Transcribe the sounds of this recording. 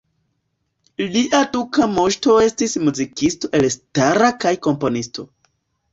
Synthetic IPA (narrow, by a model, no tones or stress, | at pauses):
liʔadukamo̞ʃto̞e̞stismuzikisto̞ʔe̞lstaɾakajko̞mpo̞nisto̞